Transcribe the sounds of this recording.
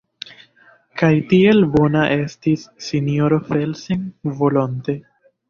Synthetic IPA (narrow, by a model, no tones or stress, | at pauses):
kajtie̞lbo̞naʔe̞stisːinjo̞ɾofe̞lsiŋvo̞lonte